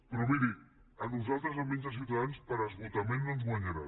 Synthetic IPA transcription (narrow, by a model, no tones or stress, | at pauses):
pɾɔmiɾi | ənuzalˠt̪ɾəzəminzəsiwt̪aðanspəɾəzɣut̪əmenːonzɣwaɲəɾa